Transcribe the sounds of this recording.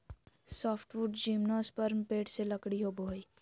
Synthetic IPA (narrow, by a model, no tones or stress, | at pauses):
sɔːpʰʈʋuɖd͡ʒimnoːspəɾmpeːʈseləkɽiɦoboːj